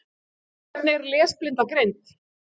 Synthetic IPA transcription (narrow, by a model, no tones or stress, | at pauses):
nːɪɾlɛːsplɪnt̪akɾejnt̪